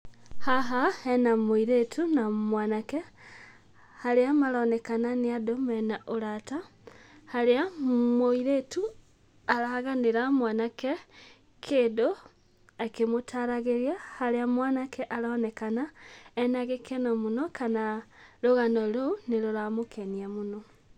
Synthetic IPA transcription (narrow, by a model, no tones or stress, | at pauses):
haɦaenamoiɾetʰunamwaːnake | haleamalonekananiadomenaʔulatahaleamoiɾetu | alahaɣaniɾamwanake | kʰedo | akemutʰaɾaɣeɾjahaɾeamwaːnakʰeʔalanekanaenaɣekʰenomunokanaloɣanoloneloɾamukʰeniamuno